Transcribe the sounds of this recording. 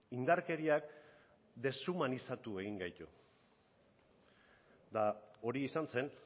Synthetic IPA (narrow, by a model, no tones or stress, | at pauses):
ind̪aɾke̞ɾiak | d̪e̞sumanisat̪ue̞ɣiŋɡajt̪u | d̪ao̞ɾiːsanse̞n